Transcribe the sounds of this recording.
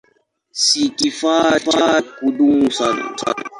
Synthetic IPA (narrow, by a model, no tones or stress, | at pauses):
sikifafakudumusana̰sa̰na̰